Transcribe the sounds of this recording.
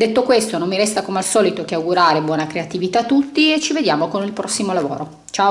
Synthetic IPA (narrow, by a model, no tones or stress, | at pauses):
d̪et̪ːokwest̪onomːiɾɛst̪akomealsɔːlit̪okeawɡuɾaːɾebwɔːnakɾeat̪ivit̪at̪ːut̪ːiet͡ʃːived̪jaːmokonilpɾɔsːimolavo̰ːɾo | t͡ʃao